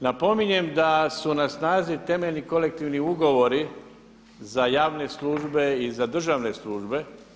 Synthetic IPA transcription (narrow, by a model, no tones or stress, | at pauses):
napo̞miɲe̞md̪asunasnaːzit̪e̞meʎʲniko̞le̞k̚t̪iʋniuɡo̞ʋo̞ɾi | zajaːʋne̞slˠuːʒbe̞izad̪r̩ʒaʋne̞slˠuːʒbe̞